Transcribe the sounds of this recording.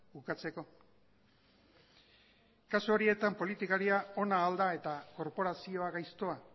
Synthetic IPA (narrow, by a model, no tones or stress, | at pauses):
ukat͡se̞ko̞ | kasuo̞ɾie̞t̪ampo̞lit̪ikaɾiao̞naːld̪ae̞t̪ako̞ɾpo̞ɾasio̞aɣajst̪oa